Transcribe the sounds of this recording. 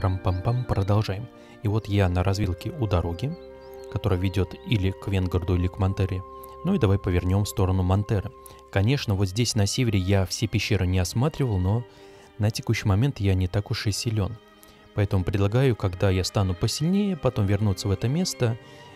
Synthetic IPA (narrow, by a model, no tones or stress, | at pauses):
ampampampɾəd̪ɐlˠʐajɪm | ivo̞t̪janəɾʔɐzvʲilˠkʲɪʊd̪ɐɾo̞ɡʲɪ | kɐt̪o̞ɾəjəvʲɪdʲo̞t̪ilʲɪkvʲenɡərd̪ʊilʲɪkmɐnt̪ɛɾʲɪ | nuid̪ɐvajpəvʲɪrnʲo̞mfst̪o̞ɾənʊmɐnt̪ɛɾɨ | kɐnʲe̞ʂnəvo̞t̪zʲdʲesʲnɐsʲevʲɪɾʲɪjafsʲepʲɪɕːe̞ɾɨnʲɪɐsmat̪ɾʲɪvəlˠno̞ | nətʲɪ̥kuɕːɪjmɐmʲe̞nt̪janʲɪt̪akʊʂɨsʲɪlʲo̞n | pɐɛt̪əmʊpɾʲɪd̪lˠɐɡajʊkɐɡd̪ajast̪anʊpəsʲɪlʲnʲejəpɐt̪o̞mvʲɪrnut̪sːəvɛt̪əmʲe̞st̪ə